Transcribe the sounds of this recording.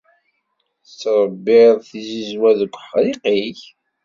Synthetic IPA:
θət͡sːɾˤəbːɪðˤθizizwæðəkʷːħɾiqiç

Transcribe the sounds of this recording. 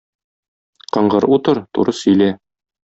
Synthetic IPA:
qɤ̆ɴɢɤɾut̪ɤɾt̪ṵɾɤsɵ̆jlæ

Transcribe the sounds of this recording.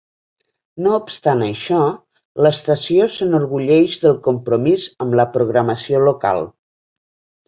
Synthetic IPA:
noupst̪anəʃɔ | ləst̪əsiosənuɾɣuʎɛʒðəlˠkumpɾumizəmləpɾuɣɾəməsioluka̰lˠ

